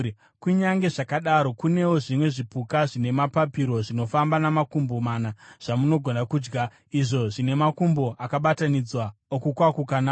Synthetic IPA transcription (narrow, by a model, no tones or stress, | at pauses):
kuɲaŋɡe̞ʐakaɗaɾo̞kune̞woʐimwe̞ʐipukaʐine̞mapapiɾo̞ʐino̞fambanamakumbomaːnaʐ̥amuno̞ɡʱo̞nakuːd͡ʒɡa | iʐo̞ʐine̞makumbo̞ʔakaɓatanid͡zwaokukwakukana